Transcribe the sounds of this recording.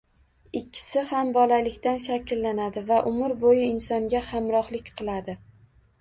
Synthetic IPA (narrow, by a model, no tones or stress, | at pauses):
ɪkʲʰːɪ̥sɪhambɒlalɪkʲt̪anʃakʲlːanad̪ɪvaʔʊmʊɾbojɪɪnsɒŋɡʲahamɾɒhlɪkʲqʰɨlˠad̪ɪ